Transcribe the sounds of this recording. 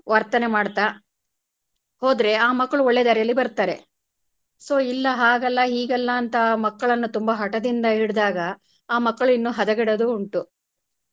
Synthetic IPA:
ʋɐɾt̪ɐne̞maːɽt̪a | hoːd̪ɾe̞aːmɐkːɐɭuɔɭːed̪ɐɾjɐlːibɐɾt̪aːɾe̞̰ | so̞ːilːɐɦaːɡɐlːɐɦiːɡɐlːɐːnt̪ɐmɐkːɐɭɐnːut̪umbɐɦɐʈɐd̪ind̪ɐɦiɽud̪aːɡɐ | aːmɐkːɐɭinːuɦɐd̪ɐɡɛɽɐd̪uːɳʈu

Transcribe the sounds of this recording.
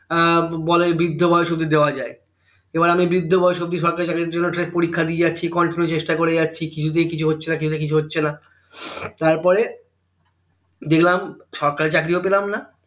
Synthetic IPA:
bɔlebɾid̪ʱːobʱɔjoʃob̚d̪ʱid̪eoad͡ʑae | ebaɾamibɾid̪ʱːobʱɔjoʃob̚d̪ʱiʃɔɾkaet͡ɕakɾiɾd͡ʑonːoʈaepoɾikʰːad̪iejatːɕʰikɔɳʈinut͡ɕeʃʈakoɾejatːɕʰikit͡ɕʰut̪̬ekit͡ɕʰuɦotːɕʰenakit͡ɕʰut̪ekit͡ɕʰuɦotːɕʰena | t̪aɾpɔɾe | d̪eklamʃɔɾkaɾet͡ɕakɾiopelamna

